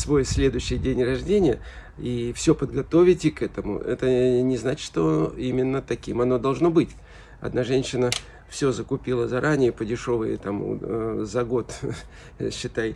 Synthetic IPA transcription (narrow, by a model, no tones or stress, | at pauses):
svo̞jsʲlʲe̞d̪ʊɕːɪjdʲenʲrɐʐdʲenʲɪjə | ifsʲopəd̪ɡɐt̪o̞vʲɪtʲɪkɛt̪əmʊ̰ɛ̰t̪ənʲɪznat͡ɕʲʂt̪oimʲɪnːət̪ɐkʲimɐno̞d̪ɐlˠʐno̞bɨtʲ | ɐ̰d̪naʐɛnʲɕːɪnə | fsʲo̞zəkʊpʲilˠəzɐɾʔanʲɪjəpədʲɪʂo̞və̰j̰t̪am̰zɐɡo̞t̪ | ɕːɪt̪aj